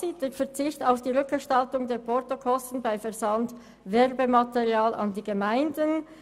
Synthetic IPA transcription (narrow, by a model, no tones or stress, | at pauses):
siːtdeːfɛɐʁt͡sɪçtaʊfd̥iːʁʏkɡ̥əʃtɑltʊŋdeːɐʁpʰɔʁtokʰɔstn̩baɪfɛʁzɑnd | vɛʁbemɑteʁiaːlʔɑ̰ndiːɡəmaɪndən